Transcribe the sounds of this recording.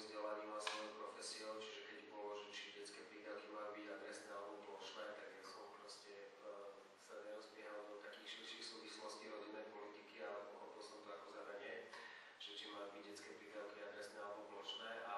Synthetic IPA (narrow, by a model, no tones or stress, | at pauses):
zɟɛlaɲilasʋɔjɔpɾɔfɛsiɔʊt͡ʃiʒɛkɛɟbɔlɔʒɛt͡ʃiɟɛt͡skɛːpɾiːd̪aʊkimaːjubiɟad̪ɾɛsnɛːalɛbɔplɔʃnɛːt̪aɡjasɔmpɾɔscɛ | saɲɛɾɔzbɪɛɦalɔd̪ɔt̪akiːxʃirʃixsuːʋislɔsciɾɔɟinːɛjpɔlit̪ikiaɛʔɔxɔpilɔsɔmt̪ɔakɔzaɾaɲɛ | ʒ̥ɛt͡ʃimaːjubiɟɟɛt͡skɛːpɾiːd̪aʊkiad̪ɾɛsnɛːalɛbɔplɔʃnɛːʔa